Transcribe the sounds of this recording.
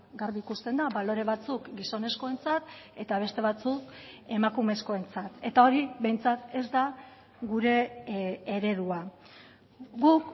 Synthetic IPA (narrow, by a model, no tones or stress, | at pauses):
ɡaɾβiikust̪e̞nd̪aβalo̞ɾe̞β̞at͡sukɡiso̞ne̞sko̞e̞nt͡sat̪e̞t̪aβ̞e̞st̪e̞βat͡suke̞makume̞sko̞e̞nt͡sat̪e̞t̪ao̞ɾiβe̞jnt͡sat̪e̞zd̪a | ɣuɾe̞ː | ɾe̞ðua | ɡuk